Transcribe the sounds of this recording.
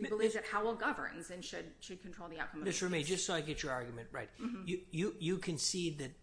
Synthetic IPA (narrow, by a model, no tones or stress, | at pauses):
bəlivðɨt̚haʊl̩ˠɡʌvə̰˞nzɨ̃nʃɨd̚ʃɨd̚kʰntʰɹ̥oʊðiaʊkʰʌ̃mʌmɪsɹɨmeɪd͡ʒʌstsoʊaɪɡɛt͡ʃə˞ɑɹɡjmɨ̃nʔ̚ɹa̰ɪt̚jɨjɨjɨkʰɨ̃nsiðɨt̚